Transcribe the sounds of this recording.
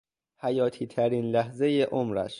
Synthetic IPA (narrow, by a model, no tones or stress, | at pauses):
hæjɒːt̪ʰiːt̪ʰæɾiːnlæɦze̞jeʔomɾæ̰ʃ